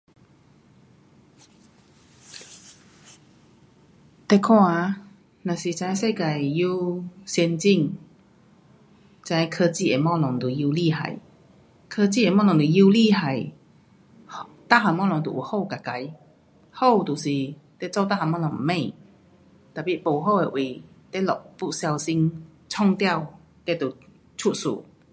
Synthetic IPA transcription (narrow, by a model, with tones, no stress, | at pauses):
t̪ɛ˥˧kʰwã˥˧a˧˦ | nã˨˩si˨˩t͡sã˧jse˥˧ka˨˩ju˦sjɛ˧nt͡ɕi˥˨ŋ | t͡sã˧jkʰə˧t͡ɕi˥˧e˨˩mɔ̃˥˧˩lɔ˨˩ŋt̪u˨˩ji˧˦li˥˧˨ɦa̰˨˩j | kʰə˧t͡ɕi˥˨e˨˩mɔ̃˥˧lɔ˨˩ŋt̪u˨˩˧ji˦wli˥˧˨ɦa˨˩j | ht̪a˥ɦa˨˩mɔ˥˧lɔ˨˧ŋt̪ṵ˨ʔu˨˩ho˥˧˨wka˨˩ka˧˦j | ho˥˧˨wt̪u˨˩si˨˩t̪e˦˥t͡sɔ˥˧t̪a˥˧ha˨˩mɔ̃˥˧lɔ˨˧˦ŋm̩˨˩mẽ˥˧˨ | t̪a˨˩pi˨po˨˩ɦo˥˧we˨˩ʔwe˨˩ | t̪e˦˥lɔ˨˩k̚pu˧˥sja˧wsi˧˥ŋ | t͡sʰɔ˥˧ŋt̪ja˥˨w | ke˧˩t̪u˨˩ | t͡ɕʰu˥t̚sṵː˨˩